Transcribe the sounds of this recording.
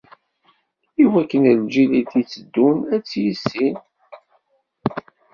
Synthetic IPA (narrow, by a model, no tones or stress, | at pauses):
iwækːənəld͡ʒiliθit͡sːəd̪ːunæt͡sːjəsːin